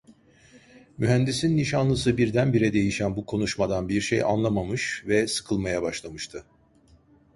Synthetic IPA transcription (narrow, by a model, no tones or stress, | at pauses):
myɦænd̪isinːiʃanlˠɯsɯbiɾd̪ænbiɾɛd̪e̞jiʃænbukʰo̞nuʃmad̪anbiɾʃḛja̰nlˠamamɯʃvɛsɯ̥kʰɯlˠmajabaʃlˠamɯʃt̪ʰɯ